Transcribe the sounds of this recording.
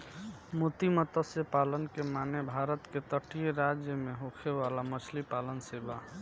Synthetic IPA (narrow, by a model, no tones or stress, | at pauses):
mot̪imət̪əsepalənkemanebʱaɾət̪ket̪əʈijeɾad͡ʒjəmeɦokʰeʋalamət͡ʃʰlipalənseba